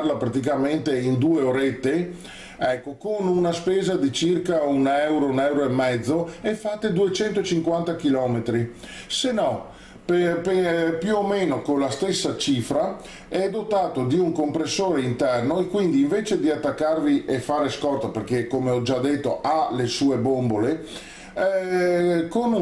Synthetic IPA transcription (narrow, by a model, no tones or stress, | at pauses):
rlapɾat̪ik̬ament̪eind̪uːeoɾet̪ːe | ɛkːokonunaspeːzad̪it͡ʃirkaunɛwɾounɛwɾoemːɛd̪zːoɛfːat̪ːed̪uet͡ʃɛnt̪ot͡ʃiŋkwant̪akilɔːmet̪ɾi | senːɔ | pepjuomeːnokonlast̪esːat͡ʃiːfɾa | ɛd̪ot̪aːt̪od̪iuŋkompɾesːoːɾeint̪ɛrnoekwind̪iːɱveːt͡ʃed̪iat̪ːakːarviʔefaːɾeskɔrt̪operk̟ekːomeɔd͡ʒad̪ːet̪ːoʔalesuːebombole | kon